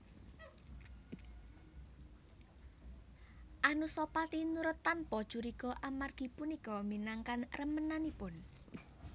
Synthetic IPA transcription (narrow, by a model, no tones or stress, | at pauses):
ʔanusɔpat̪inuɾʊt̪ːanpɔd̥ʒ̥uɾiɡɔʔamarɡ̥i̤punikɔminaŋkanrəmənanipʊn